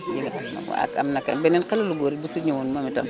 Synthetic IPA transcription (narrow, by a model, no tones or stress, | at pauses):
jiŋaamna̰a̰ka̰mnakːa̰mbenenqaloluɡoɾibusuɲawonmamita̰m